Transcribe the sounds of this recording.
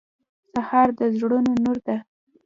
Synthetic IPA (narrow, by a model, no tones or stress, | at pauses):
sahɑɾd̪əzɽunonuɾd̪a